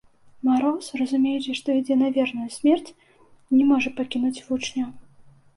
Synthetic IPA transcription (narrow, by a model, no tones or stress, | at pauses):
maɾɔsrɐzumʲejut͡sʲɛʂt̪ɔid͡zʲɛnavʲɛrnujusʲmʲɛrt͡sʲ | nʲɛmɔʐɐpakʲinut͡sʲvut͡ʂnʲɐ